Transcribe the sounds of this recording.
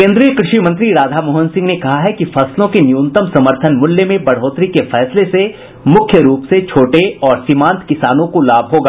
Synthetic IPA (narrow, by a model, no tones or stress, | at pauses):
kẽːnd̪ɾijəkɾɪʃimɐ̃nt̪̬ɾiɾaːd̪ʱamoːɦənsɪ̃ŋɡnekɐɦaɦɛkifɐslõkenjuːnt̪əmsɐməɾt̪ʰənmʊljemẽbɐɽ̤ɦoːt̪ɾikefɛːslese | mʊkʰjəɾuːpset͡ʃʰoːʈeɔːɾsɪmãːnt̪ʰkɪsaːnõkolaːbʱɦoːɡaː